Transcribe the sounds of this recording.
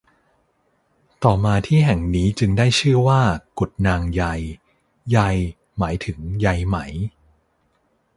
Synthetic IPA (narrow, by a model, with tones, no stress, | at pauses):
t̪ɔː˨˩maː˧t̪ʰiː˥˩ɦɛ˨˩ŋniː˦˥t͡ɕɯ˧ŋdaː˥˩jt͡ɕʰɯː˥˩waː˥˩ku˨˩t̪̚naː˧ŋja˧j | ja˧j | maː˩˦jt̪ʰɯ˩˦ŋja˧jma˦˥j